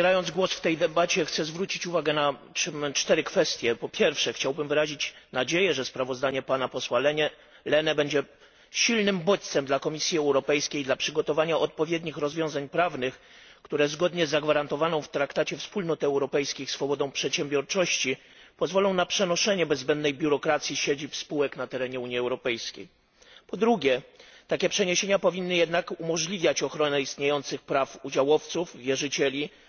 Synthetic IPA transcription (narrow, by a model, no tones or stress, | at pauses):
ɛɾajɔnd̪zɡwɔsft̪ɛjd̪ɛbat͡ɕɛxt̪sɛzvɾut͡ɕit͡ɕuvaɡɛna | mt͡ʂt̪ɛɾɘkfɛst̪ʲjɛpɔpʲjɛɾfʂɛxt͡ɕawbɘmvɘɾaʑit͡ɕnad͡ʑejɛʐɛspɾavɔzd̪aɲɛpanapɔswalɛɲɛ | lɛnɛbɛɲd͡ʑɛ | ɕilnɘmbɔt̪t̪sɛmd̪lakɔmʲisʲjiɛwɾɔpɛjskʲejd̪lapʂɘɡɔt̪ɔvaɲaʔɔt̪̚pɔvʲjed̪ɲixɾɔzvʲjɔ̃w̃zaɲpɾavnɘx | kt̪uɾɛzɡɔd̪ɲɛzːaɡvaɾant̪ɔvanɔ̃w̃ft̪ɾakt̪at͡ɕɛfspulnɔt̪ɛwɾɔpɛjskʲixsfɔbɔd̪ɔ̃w̃pʂɛt̪ɕɛmbʲjɔɾt͡ʂɔɕt͡ɕi | pɔzvɔlɔ̃w̃napʂɛnɔʂɛɲɛbɛzːbɛnd̪nɛjbʲjuɾɔkɾat̪sʲjiɕed͡ʑipspuwɛknat̪ɛɾɛɲɛuɲiɛwɾɔpɛjskʲḛj | pɔd̪ɾuɡʲjɛt̪akʲɛpʂɛɲeɕeɲapɔvʲinːɘjɛd̪nakumɔʐlʲivʲjat͡ɕɔxɾɔnɛist̪ɲejɔnt̪sɘxpɾafud͡ʑawɔft̪sufvʲjɛʐɘt͡ɕɛlʲi